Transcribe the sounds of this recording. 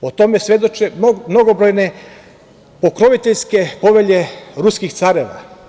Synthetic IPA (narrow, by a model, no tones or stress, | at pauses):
ot̪o̞me̞sʋe̞d̪o̞t͡ʃemno̞ɡobɾo̞jne | po̞kɾo̞ʋit̪eʎʲske̞po̞ʋe̞ʎe̞ɾuskixt̪saɾeʋa̰